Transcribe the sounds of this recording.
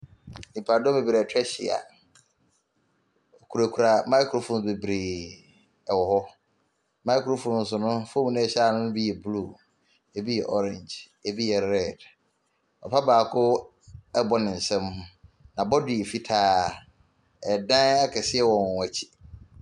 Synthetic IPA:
nĩ˨pʰa˨dɔ̃˦be˨bi˨ɾe˨tʰᶣɛ˦ɕḭ˨a̰˨ | kʰu˨ɾa˨kʰu˨ɾa˨mã˦kʰo˨fõ˨n˨be˨bɾeː˨ | ɛ˨wɔ˨hɔ˦ | mã˦jkʰɾo˦fõ˨nn̩˦s̬ʊ˨nʊ̃˦fo˦m˨nʊ̃˦ɛ˦ɕa˦˨nʊ̃˦nʊ̃˦bi˦jɛ˨bluː˦˨ | e˨bi˦jɛ˨ʔɔ˦ɾɪ̃˨nd͡ʒ | e˨bi˦jɛ˨ɾɛ˦˨d | ɔ̰˨pʰa˦baː˨kʰʊ˦ | ɛ˦bɔ˦nɪ̃˨n̩˨sɛ̃˦mhʊ̃˦nã˨bɔ˦di˨e˨fi˦tʰaː˦ | ɛ˨dã˦ɛ˦kʰɛ˨sɪ˦ɛ˦wɔ̃˨nɔ̃˨a˨t͡ɕʰi̥˦˨

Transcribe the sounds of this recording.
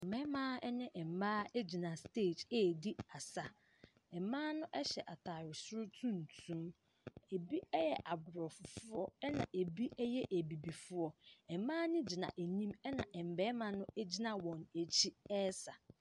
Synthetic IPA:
ɛ˨m̩˨bɛ˦mã˦ɛ˦nɪ̃˦ʔɛ˨m̩˨baː˦e˦d͡ʑi˨nã˨stʰeː˦˨d͡ʑe˦˨di˦a˨sa˨ | ɛ˨˦mãː˦nʊ̃˦ʔɛ˦ɕɛ˨ʔa˨tʰa˨ɾɪ˨sʊ˦ɾʊ˦tʰũ˦n̩˨tʰũ˦m | e˨bi˦ɛ˦jɛ˨ʔa˨bʊ˨ɾɔ˨fʊ˨fʊ˦ɔ˦ɛ˦nã˨ʔe˨bi˦ʔɛ˦jɛ˦ʔe˨bi˨bi˨fʊ˦ɔ˦ɛ˨mãː˦nɪ̃˦d͡ʑi˨nã̰˨ʔe˨ɲĩ˦mɛ˦nã̰˨ʔɛ˨m̩˨bɛ˦mã˨nʊ̃˦e˦d͡ʑi˦nã˨wɔ̃˨ne˨t͡ɕʰi˦ɛ˦sa˨

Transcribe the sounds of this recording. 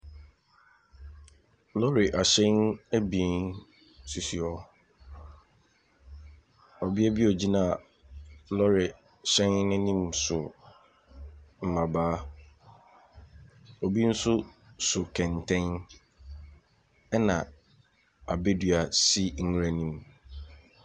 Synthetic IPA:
lɔ˦ɾɪ˨ʔa˨ɕɛ̃˦næ˦bĩ˨˦n | si˨si˨ɔ˦ | ɔ˨bi˦æ˦bi˦ɔ˨d͡ʑi˦nã˦˨ | lɔ˦ɾɪ˨ | ɕɛ̃˦ŋnɪ̃˦nĩ˦msʊ˨ | m̩˨mã˨baː˦ | ɔ˨bi˦n̩˦sʊ˦sʊ˨kʰɛ̃˨n˨tʰɛ̃˦n | ɛ˦nã̰˨ | a̰˨be˦dɥa˨si˦ŋ̩˦ɾa˨nĩ˦m

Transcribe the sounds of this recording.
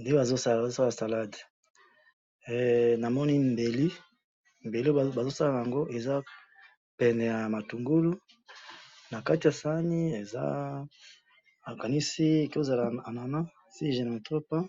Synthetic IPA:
nde˦ba˨zo˦sa˦lo˦sa˦la˨sa˨la˦d | na˨mɔ˦ni˦mbe˨li˦ | m˨be˨li˦˨ba˨zo˦sa˦la˦˨a˨ja˨ŋɡo˦ʔe˨za˦ | pɛ˨nɛ˨ja˨ma˨tu˨ŋɡu˦lu˦ | na˨ka˦ti˨ja˨sa˦ni˦e˨za̰˦ | a˨ka˨ni˦si˦e˨ki˦o˦za˨la˨a˨na˨na˦ | si˦ʒe˨na˨to˦pa˦

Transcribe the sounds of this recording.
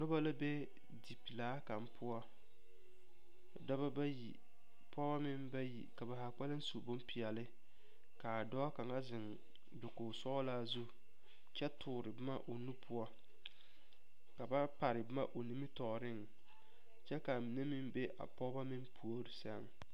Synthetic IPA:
nʊ˦ba˦la˦be˦ | di˨pi˨laː˦ka˨m˦pʰʊ˦a˦˨ | dɔ˦ba˦ba˦jḭ˨ | pʰɔ˦ba˦mɪ˦mba˦jḭ˨ka˨ba˨ha˨k͡pa˦lɪ˦n̩˦su˨bʊ˦mpi˨ɛ˨lɪ˦ | ka˨dɔ˦ka˨ŋa˦zɪ˨ŋ | bʊ˨koː˨sɔ˦laː˦zu˦ | t͡ʃɛ˦tʰʊː˨ɾɪ˨bɪ˦ma̰˦ʔo˨nu˦pʰʊ˦ɔ˦ | ka˨ba˦pa˨ɾɪ˨bɪ˦ma̰˦ʔo˨ni˦mi˦tɔ˨ɾɪ˦ŋ | t͡ʃɛ˦ka˨mɪ˨ne˦mɪ˦mbe˦ʔa̰˨pɔ˦ba˦mɪ˦npʰu˨o˦ɾɪ˨sɛ˦ŋ

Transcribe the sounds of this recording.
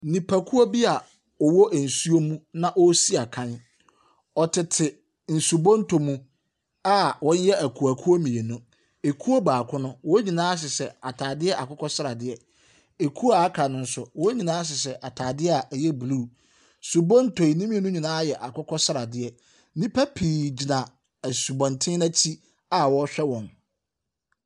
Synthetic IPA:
nĩ˨pʰa˨kʰu˦o˦bi˦a˨ | ɔ˨wɔ˦ʔɛ˨n̩˨su˦o˦mũ˦nã˦ʔɔ˦si˦a˨kʰã˦n | ɔ˨tʰɪ˨tʰɪ˨ | n̩˨su˨bɔ̃˦n˦tʰo˨mũ˦ | a˦wɔ̃˦n˦jɛ˦ʔæ˨kʰu˨a˨kʰu˦o˦mĩ˨e˨nʊ̃˦ | e˨kʰu˦o˦baː˨kʰʷʊ̃˦nʊ̃˦wɔ˦ɲĩ˨nãː˦ɕ̬ɪ˨sɛ˦a˨tʰaː˨dɪ˦ɛ˦ʔa˨kʊ˦kʰɔ˦sɪ˦ɾa˨dɪ˦ɛ˦ | e˨kʰu˦a˨a˦kʰa˨nʊ̃˨n̩˦sʊ˨wɔ˦ɲĩ˨nãː˦s̬ɪ˨s̬ɛ˨ʔa˨tʰaː˨dɪ˦a˨ʔæ˨jɛ˦blu˦˨ | su˨bɔ̃˦n˦tʰo˨i˨nĩ˦mĩ˦e˨nʊ̃˦ɲĩ˨nãː˦jɛ˨ʔa˨kʊ˦kʰɔ˦sɪ˦ɾa˨dɪ˦ɛ˦ | nĩ˦pʰa˦pʰiː˨d͡ʑi˨nã˨ | æ˨su˨bɔ̃˨ntʰɪ̃˦na˦t͡ɕʰi˦ | a˦wɔ˦ɕᶣɛ˦wɔ̃˨n

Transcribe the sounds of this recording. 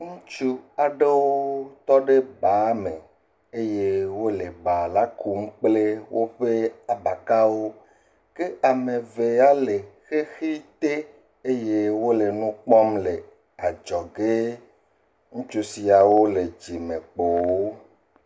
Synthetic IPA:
ŋũ˦t͡ʃu˦a˨ɖe˦wo˦t̪ɔ˦ɖe˦ba˨˦me˨ | e˦je˦wo˦le˨ba˨la˨˦ku˦m̩˦k͡ple˦wʔo˦ɸe˦a˨ba˨ka˦wo˦ | ke˦a˨me˨ve˨a˦le˨xe˦xi˦t̪e˦ | e˦je˦wo˦le˨nũ˦k͡pɔ˦mle˨ | a˨d͡ʒɔ˨ɡe˦ | ŋũ˦t͡ʃu˦si˨a˨wo˦le˨d͡ʒi˨mẽ˨k͡po˨wo˦

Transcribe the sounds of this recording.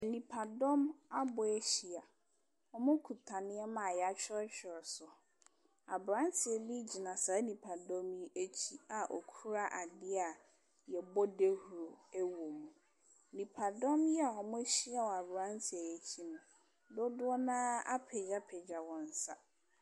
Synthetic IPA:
ɛ˨nĩ˨pʰa˨dɔ̃˦ma˦bʊ˨ɛ˦ɕi˨a˨ | ɔ˨mʊ̃˦kʰu˨tʰa˨nɪ̃˦ɛ˦mã˨jɛ˨a˦t͡ɕᶣɪ˦ɾɛ˦t͡ɕᶣɪ˨ɾɛ˨sʊ˨ | a˨bɾã˦n˦tʰɪ˨ɛ˨li˦d͡ʑi˨nã˨sa˨˦nĩ˨pʰa˨dɔ̃˦mji˦e˦t͡ɕʰi˦a˨ʔɔ̰˨kʰu˦ɾa˦ʔa˨dɪ˦a˨ | jɛ˨bɔ˦de˦hu˨ɾo˨æ˦wo˨mũ˨ | nĩ˨pʰa˨dɔ̃˦mjɛ˦a˨ɔ˨mʊ̃˦ɕi˦a˨wɔ˨a˨bɾã˦n˦tʰɪ˨ɛ˨je˨t͡ɕʰi˦nʊ̃˨ | dʊ˦dʊ˦ɔ˦nã˦a̰˦pʰɛ˨d͡ʑa˦pʰɛ˨d͡ʑa˨wɔ̃˨n̩˨sa˦

